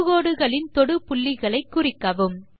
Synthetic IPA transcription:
ɣoːɽɯɣɐɭɪnt̪ɔɽɯpʊɭːɪɣɐɭɐɪkːʊrɪkːɐʋɯm

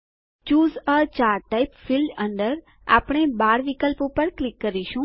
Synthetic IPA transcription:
t͡ʃuːzət͡ʃaɾʈaipfilɖənɖəɾ | a̰pɳ̃ebaɾʋikəlpopəɾklɪkːəɾiʃũ

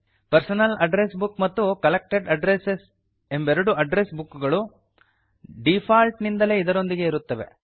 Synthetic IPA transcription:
pɐɾsɐnɐlɐɖɾesbukmɐt̪ːukɐlek̚ʈeɖɐɖɾeses | e̞mbeɾɐɽuɐɖɾesbukːuɡɐɭu | ɖipʰaːlʈnind̪ɐle̞ːid̪ɐɾo̞nd̪iɡe̞iɾut̪ːɐʋe̞̰

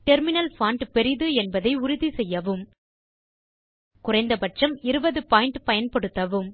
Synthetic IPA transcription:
ʈɛɾmɪnɐlfaːɳɖpɛɾɪðɯɛnbɐðɐɪʊɾʊðisɛjːɐʋɯm | kʊrɐɪnd̪ɐbɐʈrɐmɪɾɯbɐðɯpaːjɪɳʈpɐjɐnpɐɽɯt̪ːɐʋɯm

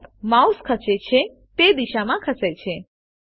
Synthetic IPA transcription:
mauskʰəset͡ʃʰe | t̪ed̪iʃamãkʰəset͡ʃʰe

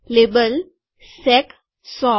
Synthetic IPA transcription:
lebəl | sɛk | sɔ

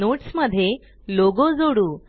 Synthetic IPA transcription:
oʈsməd̪ʱːje | loɡod͡zoɽuː

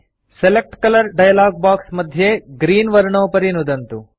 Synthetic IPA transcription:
selek̚ʈkɐlɐɾɖɐjɐlaːɡ̚baːksmɐd̪ʱjeɡɾiːnʋɐɾɳoːpɐɾinud̪ɐnt̪u

